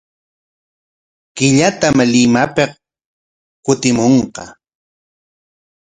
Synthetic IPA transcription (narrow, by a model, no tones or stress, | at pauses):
kɪʎat̪amlɪmapeq | kʊt̪ɪmoɴqɑ